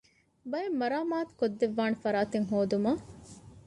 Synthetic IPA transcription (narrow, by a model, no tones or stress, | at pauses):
bɐjemːɐɾaːmaːt̪u̥kod̪ːeʋːaːnefɐɾaːt̪eŋɦoːd̪umɐ